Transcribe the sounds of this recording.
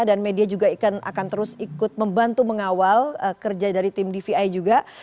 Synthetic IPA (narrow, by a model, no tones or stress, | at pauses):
danmediad͡ʒuɡaikana̰kant̪əɾʊsikʊt̪̚məmbant̪uməŋawaləkərd͡ʒadaɾit̪ɪmdifiajd͡ʒuɡa